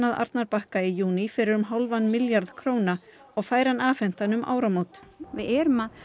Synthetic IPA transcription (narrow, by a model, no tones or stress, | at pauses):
naða̰ɾt̪̚naɾpahkaijuːnifɪɾɪɾʏmɦawlvanːmɪljaɾðkʰɾoːwna | ɔɣfaːjɾanaːfɛn̥t̪anʏmʔa̰ːwɾamoːwt̪vɪɛːɾʏma